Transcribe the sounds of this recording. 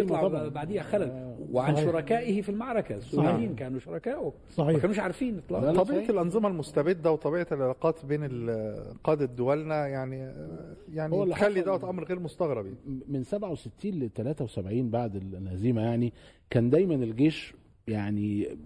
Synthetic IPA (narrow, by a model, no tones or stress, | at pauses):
elmˤɑʕbaʕd̪ejːæxælælweʕanʃoɾˤɑkæːʔɪhfilmaʕɾˤɑkæsːulæiːnkæːnuʃoɾˤɑkæːʔo | sˤɑkænumeʃʕaɾˤfiːnet̪ˤlɑ̰ʕɑbiːʕlʔɑnzˤemɑlmost̪æbed̪ːæwet̪ˤɑbiːʕelʕelɑːqɑːt̪beːnelqɑːd̪æd̪ːowælnæjaʕni | jaʕniwælːæxælːidd̪æwæt̪ʔæmːɾɣeːɾmost̪ɑɣɾɑbjamensæbʕaweset̪ʰːiːnlet̪ælæːt̪æwesæbʕiːnbaʕd̪elʔæziːmæjaʕni | kæːnd̪æjmænelɡeːʃ | jaʕni